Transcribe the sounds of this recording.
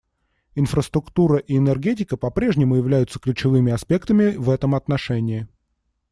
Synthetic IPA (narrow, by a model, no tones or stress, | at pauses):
ɪnfɾəst̪ɾʊkt̪uɾəʔiːnɛrɡʲet̬ʲɪkəpɐpɾʲe̞ʐnʲɪmʊjɪvlʲæjʊt̪sə̥klʲʉt͡ɕɪvɨmʲɪɐspʲe̞kt̪əmʲɪvɛt̪əmɐt̪nɐʂɛnʲɪː